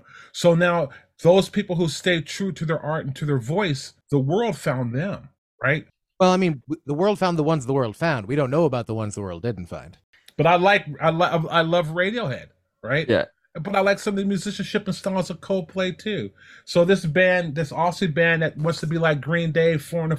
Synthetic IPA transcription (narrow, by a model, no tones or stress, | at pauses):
soʊnaʊ | ðoʊz̥pʰipl̩ˠhusteɪtʰɹ̥ʉɾɨðə˞ʔɑɹɾn̩tʰɨðə˞vɔɪsðəwɜ˞lˠd̥fãʊ̃nðɨ̃m | ɹa̰ɪt̚ | wɛlˠaɪmĩnwiðəwɜ˞lˠd̥fãʊ̃nðəwʌ̃nzðəwɜ˞lˠd̥fãʊ̃nd̚wiɾõʊ̃nːoʊəbaʊt̪̚ðəwʌ̰̃nzðəwɜ̰˞lˠdɪdⁿn̩tfã̰ɪ̃nd̥ | b̥ʌɾaɪlaɪkaɪlʌaɪlʌvɹeɪɾioʊhɛ̰d̥ | ɹaɪt̚jæ̰ | b̥ʌɾaɪlaɪksʌ̃mʌðɨmjʉzɪʃn̩ʃɪpn̩stɔzʌv̥kʰoʊl̚ˠpʰl̥eɪtʰʉ | soʊðɪsb̥æ̃nðɪsɔsibæ̃nðɨt̚wʌ̃nstʰəbilaɪk̚ɡ̥ɹĩndeɪfɔ˞ɨ̃nɨ